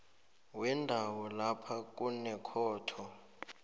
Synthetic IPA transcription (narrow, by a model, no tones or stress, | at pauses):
wɛndʱawɔlapʰak̬ʼunɛkʰɔːtʰɔ